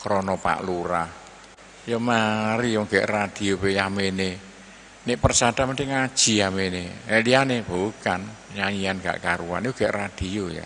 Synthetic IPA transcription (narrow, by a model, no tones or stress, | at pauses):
kɾonɔpa̰ʔluɾah | jɔmaɾijɔŋɡɛ̰ʔrad̪̥i̤opejamene | neʔpərsad̥̪a̤mant͡ʃɪŋad̥ʒ̥i̤ameneelianeboukanɲaɲianɡ̥a̰ʔkaɾuwa̰njoɡ̥ɛʔrad̪̥ioja̰